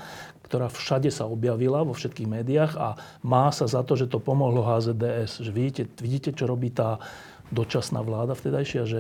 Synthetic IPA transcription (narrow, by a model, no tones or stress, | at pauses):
kt̪ɔɾaːfʃaɟɛsaɔbjaʋilaʋɔfʃɛt̪̚kiːɣmɛːd̪iaɣa̰ | maːsazat̪ɔʒɛt̪ɔpɔmɔɦlɔɦaːzɛːd̪ɛːɛsʒɛʋiɟiːcɛʋiɟiːcɛt͡ʃɔɾɔbiːt̪aː | d̪ɔt͡ʃasna̰ːʋlaːd̪aft̪ɛd̪ajʃɪaʒɛ